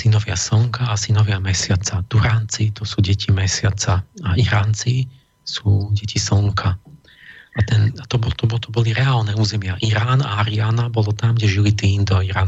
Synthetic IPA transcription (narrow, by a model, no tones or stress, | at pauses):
sinɔʋɪasl̩ŋkʰaːsinɔʋɪamɛsɪat͡sat̪uɾaːnt͡sit̪ɔsuːɟɛcʰimɛsɪat͡saaʔiɾaːnt͡si | suːɟɛcisl̩ŋkʰa | at̪ɛnat̪ɔbɔt̪ɔbɔt̪ɔbɔliɾɛaːlnɛuːzɛmɪaʔiɾaːna̰aɾiaːnabɔlɔt̪amɡɟɛʒilit̪iːmd̪ɔiɾaːn